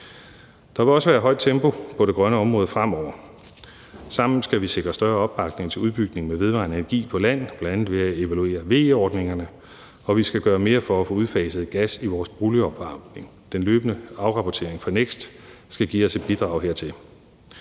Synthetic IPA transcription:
d̥ɑ̈ʋe̝lɒ̽səʋæːɐɦɒ̽ɪ̰d̥̚t͡sʰemb̥o̝pʰɒ̽ɾ̥e̝ɡ̥ʁɶnəɒ̽mʁɔːð̩ˠfʁam̰ɒʊ̰ɐ | sɑ̈m̰n̩sɡ̥æʋiseɡ̥ʁɐsd̥ɶɐɒ̽b̥ːɑ̈ɡ̥ne̝ŋt͡sʰe̝uðˠb̥yɡ̥̚ne̝ŋmeʋe̝ð̞ˠʋɑ̈nəenɐɡ̥ḭːpʰɒ̽læn̰̩ˠb̥lændænð̩ˠʋe̝æe̝ʋælue̝̰ːɐʋe̝̰ːɒːd̥ne̝ŋɐnə | ɒ̽ʋisɡ̥æɡ̥ɶːɐme̝ːɐfɒ̽æfɔ̽ːuð̞ˠfɛːsəð̩ˠɡ̥æsiʋɒːsb̥ʁuːliɒ̽b̥ɑ̥̈ne̝ŋ | d̥enløːb̥ənəɑ̈ʊʁɑ̈pʰɒt͡sʰe̝ɐ̰eŋfɑneɡ̥sd̥sɡ̥æɡ̥ḭːɒ̽se̝d̥̚b̥id̥ʁɑ̈ʊhɦe̝ɐ̰t͡sʰe̝l

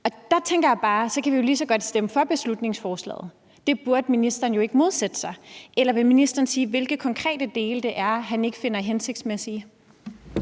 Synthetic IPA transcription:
ɒ̽d̥ɑ̈t͡sʰeŋɡ̥ɐjɑ̈b̥ɑ̈ːsɒ̽kʰæʋijo̝lisɒ̽ɡ̥ɒ̽d̥sd̥eməfɒ̽b̥e̝slud̥ne̝ŋsfɒːslɛ̰ːð̞̩ˠ | d̥e̝b̥uɐd̥minisd̥ɐːn̩jo̝e̝ɡ̥əmo̝ð̞ˠsed̥əsɑ̈ɪelɐʋe̝lminisd̥ɐːn̩siːʋe̝lɡ̥ð̩ˠkʰɒ̽ŋkʰʁɛ̰ːd̥əd̥e̝ːləd̥e̝ʔæɐɦæne̝ɡ̥əfe̝nɐɦense̝ɡ̥d̥smesi

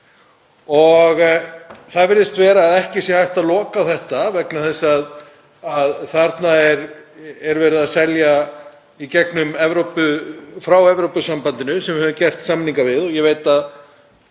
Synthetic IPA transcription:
ɔɣθaðvɪɾðɪst̪vɛːɾaːðɛhcɪsjɛhajht̪aðlɔːkaθɛht̪avɛknaθɛsað | aðθaɾt̪naɛɾɛɾvɛːɾɪðasɛlja | icɛknʏmɛvɾowpʏfɾawɛvɾowpʏsampant̪ɪnʏsɛmvɪhɛvʏmcɛr̥t̪saːmːɪniŋkavɪðɔɣjɛveːjt̪að

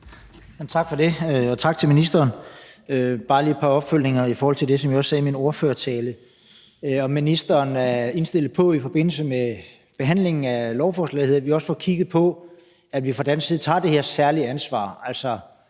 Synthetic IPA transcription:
æmt͡sʰɑ̈ɡ̥fɒ̽d̥e̝øɒ̽t͡sʰɑ̈ɡ̥̚t͡sʰe̝lminisd̥ɐːnøb̥ɑ̈ːli̥ːpʰɑ̈ɒ̽b̥føl̰ne̝ŋɐifɒːhɒl̰t͡sʰe̝ld̥e̝sɒ̽mjiɒ̽sːɛːmino̝ɐføːɐt͡sʰɛːlə | øɒ̽mːinisd̥ɐːnæɐe̝nsd̥e̝l̰ð̩ˠpʰɒ̽ifɒ̽b̥e̝n̰l̩səme | b̥e̝ɦæn̰le̝ŋn̩ælɒʊfɒːslɛ̰ɪheðˠɐʋiɒ̽sə̥fɒ̰ːkʰiɡ̥ð̩ˠpʰɒ̽ | ædʋifʁɑ̈d̥ænsɡsiːð̞̩ˠt͡sʰɑ̰̈ːd̥e̝he̝ɐsæɐliænsʋɑ̰̈ːælsɒ

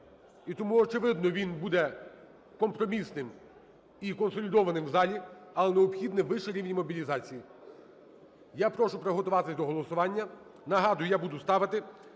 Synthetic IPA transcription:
it̪ɔmuɔt͡ʃɪʋɪd̪nɔʋʲinbud̪ɛ | kɔmpɾɔmʲisnɪm | ikɔnsɔlʲid̪ɔʋɐnɪmwzɑlʲiɐlˠɛneɔpxʲid̪nɛʋɪʃɛɾʲiʋnʲimɔbʲilʲizɑt͡sʲiji | japɾɔʃʊpɾɐɦɔt̪ʊʋɑt̪ɪsʲd̪ɔɦɔlˠɔsʊʋɑnʲːɐ | nɐɦɑd̪ʊjʊjabud̪ʊst̪ɑʋɐt̪ɪ

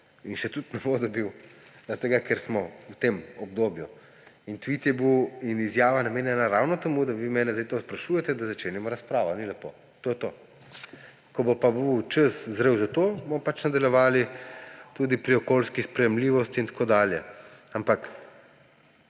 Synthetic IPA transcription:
inʃɛt̪ut̪nɛbod̪ɔbiwzat̪ɛɡakɛɾsmɔwt̪emɔb̚d̪oːbju | int̪ʋit̪jɛbiwinizjaːʋanameːnjɛnaɾawnɔt̪ɛmud̪aʋiːmɛːnɛzd̪ejt̪ospɾaʃuːjɛt̪ɛd̪azat͡ʃeːnimɔɾaspɾaːʋɔnilɛpoː | t̪oːjɛt̪oː | kɔbopabiwt͡ʃəszɾewzat̪oːbomɔpat͡ʃnad̪aljɛʋaːlit̪uːd̪ipɾiɔkolskispɾɛjɛmliːʋɔst̪int̪ḁkoːd̪aːljɛ̰ampak

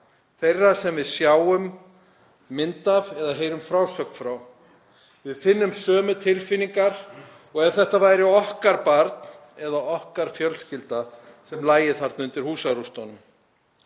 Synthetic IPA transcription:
θejrːasɛmvɪðsjaːwʏmː | ɪnt̪avɛðaɦeːjɾʏmfɾawsœknfɾaw | vɪðfɪnːʏmsœːmʏt̪ʰɪlfɪnːiŋkaɾ̥ | ɔɣɛɾ̥θɛht̪avaːjɾɪɔhkaɾpaɾt̪n | ɛðaɔhkaɾ̥fjœlscɪlt̪asɛmlaːjɪθaɾt̪nʏnt̪ɪɾ̥huːsaɾust̪ownʏm

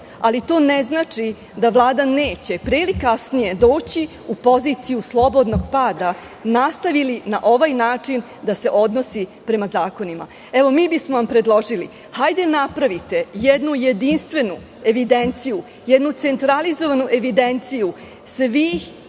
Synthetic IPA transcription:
alit̪o̞ːneznaːt͡ʂi | d̪aʋlˠaːd̪aneːt͡ɕe̞pɾelikasnije̞d̪o̞ːt͡ɕi | upo̞ziːt̪sijuslˠo̞bo̞d̪no̞ɡpaːd̪a | nast̪aʋilinaʔo̞ʋajnaːt͡ʂin | d̪ase̞ʔo̞d̪no̞sipɾe̞mazaːko̞nima̰ | eʋo̞miːbismoʋampɾe̞d̪lˠo̞ʒili | hajd̪enapɾaʋit̪e̞jed̪nuje̞d̪inst̪ʋe̞nu | e̞ʋid̪e̞nt̪siju | jed̪nut̪se̞nt̪ɾalizo̞ʋanuʔe̞ʋid̪e̞nt̪siju | sʋiːx

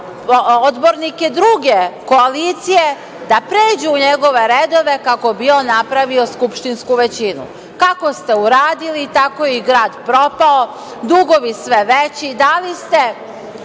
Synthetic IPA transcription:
od̪boɾnike̞d̪ɾuɡe̞ko̞aliːt̪sije̞ | d̪apɾeːd͡ʑuːɲeɡo̞ʋe̞ɾed̪o̞ʋe̞kako̞bionapɾaʋio̞skupʃt̪inskuʋe̞t͡ɕinṵ | kako̞st̪e̞uɾaːd̪ilit̪akojeiɡɾaːd̪pɾo̞pao | d̪uɡo̞ʋisʋe̞ʋet͡ɕid̪alist̪e̞

